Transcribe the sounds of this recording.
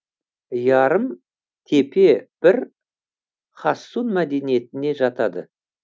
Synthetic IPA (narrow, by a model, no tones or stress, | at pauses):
jɑɾəm | t̪ʰe̞pe̞b̥ɪɾ | χɑsːunmæd̪e̞nije̞t̪ɪne̞ʒɑt̪ɑd̪ə̰